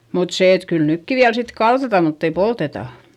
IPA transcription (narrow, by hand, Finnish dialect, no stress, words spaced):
mut seˑ et kyl nykːi ʋiæl sit kɑltɑtɑ mutː ei poltetɑˑ